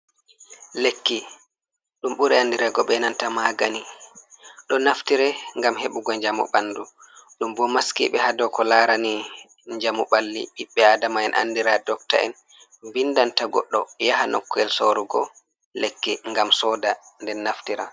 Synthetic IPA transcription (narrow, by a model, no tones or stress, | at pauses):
lekːi | ɗumɓuɾɛandiɾaɡɔɓɛnantamaɡani | ɗɔnaftiɾɛŋɡamheɓuɡɔɲd͡ʒamṵɓanːdu | ɗumbɔmaskḭɓɛhadɔkɔlaɾani | ɲd͡ʒamuɓalːḭʔiɓːɛadamaɛnʔa̰nːdiɾadɔkta̰ʔɛ̰n | bindantaɡɔ̰ɗːɔ̰jahanʔɔ̰kːɔɛlsoɾuɡɔ | lekːiŋɡamsɔdandɛnːaftiɾa̰